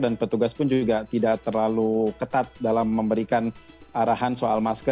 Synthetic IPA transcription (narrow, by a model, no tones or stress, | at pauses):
danpət̪uɡaspʊnd͡ʒuɡaʔt̪idaʔt̪ərlalukət̪at̪̚dalamːəmbəɾikan | aɾaɦansoalmaskə